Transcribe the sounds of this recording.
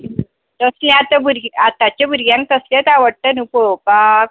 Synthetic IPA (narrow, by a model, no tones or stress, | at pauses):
t̪əslẽat̪əbuɾɡat̪ːat͡ɕabuɾɡjãŋk̚t̪əsljat̪aʋəɽt̪ənupopak̚